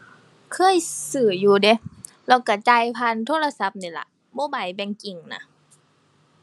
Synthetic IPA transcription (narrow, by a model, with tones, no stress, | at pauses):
kʰɤː˧˥˨jsɯː˨˩juː˧de˧˦ | lɛː˧˩wka˧˩t͡ɕa˧jpʰa˧˨nt̪ʰoː˧˥˨la˧sa˧˦p̚niː˧˩la̰˧˩ | bɔː˧˦ba˨˩jbɛ˧˩ŋki˨˩ŋna̰˧